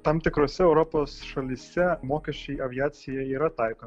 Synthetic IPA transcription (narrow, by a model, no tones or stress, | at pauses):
t̪ɐmt̪ʲɪkɾɔsʲɛɛʊɾɔpɔsʃɐlʲisʲɛmɔːkʲɛʃʲijɐʋʲiɑːsʲɪjɛiɾɐt̪ɑjkɔ